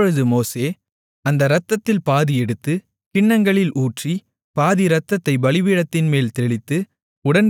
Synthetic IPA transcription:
ɻɯðɯmoːseː | ɐnd̪ɐɾɐt̪ːɐt̪ːɪlpaːðiɛɽɯt̪ːɯ | kɪɳːɐŋɡɐɭɪlʔuːʈri | paːðiɾɐt̪ːɐt̪ːɐɪbɐɭɪʋiːɽɐt̪ːɪnmeːlt̪ɛɭɪt̪ːɯ | ʊɽɐn

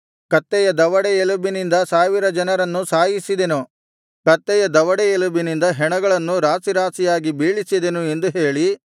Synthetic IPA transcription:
kɐt̪ːɛjɐd̪ɐʋɐɽɛelubinind̪ɐsaːʋiɾɐd͡ʒɐnɐɾɐnːusaːjisid̪enu | kɐt̪ːɛjɐd̪ɐʋɐɽɛelubinind̪ɐɦɛɳɐɡɐɭɐnːuɾaːsiɾaːsijaːɡibiːɭisid̪enue̞nd̪uɦeːɭi

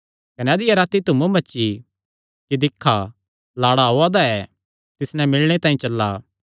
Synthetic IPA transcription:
kɐnɛɐd̪ɪjaɾaːt̪it̪ʊmũbɐːʃi | kid̪ɪkʰːa | laːɽaɦoad̪aɛ | t̪ɪsnɛ̃mɪlɽ̃et̪ãːĩt͡ʃɐlːa

